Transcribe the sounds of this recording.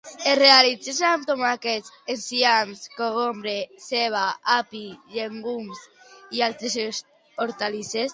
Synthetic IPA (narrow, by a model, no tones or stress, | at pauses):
erealit͡sesant̪omakesensianskoɣombɾeseβ̞aapiʎeŋɡums | ialt̪ɾeses | oɾt̪alises